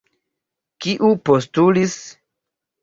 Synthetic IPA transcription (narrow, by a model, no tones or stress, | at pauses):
kiʔupostulis